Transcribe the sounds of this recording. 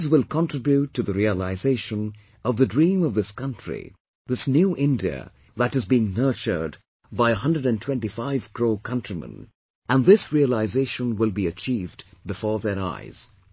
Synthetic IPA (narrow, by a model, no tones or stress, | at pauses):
zwɪlˠkʰɑ̃ntʰɹ̥ɪbjutʰːɨðɨɾiəlaɪzeɪʃə̃n | ʔʌvðɨdɹĩmʌvðɪskʰʌ̃ntɹ̥ḭ | ðɪsnjuʔɪ̃ndiɨ̰ | ðɨɾɨzbiɪ̃ŋnɜ˞t͡ʃə̰˞d | baɪəɦʌ̃ndɹəɾɨ̃ntʰw̥ɛ̃ntifaɪv̥kʰɹoʊkʰʌ̃ntɹ̥imə̰̃n | ʔɨ̃nðɪsɹiəlaɪzeɪʃə̃nwɪlˠbiɨt͡ʃʰivdbɨfɔɹðə˞a̰ɪz̥